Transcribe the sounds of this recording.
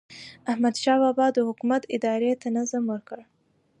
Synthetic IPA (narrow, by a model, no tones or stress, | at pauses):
ahmad̪ʃɑbɑbɑd̪əhʊkumat̪ɪd̪ɑɾet̪anazamwəɾkəɽ